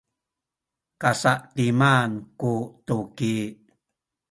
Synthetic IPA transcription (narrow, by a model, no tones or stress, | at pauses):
kasaʔtimankutuki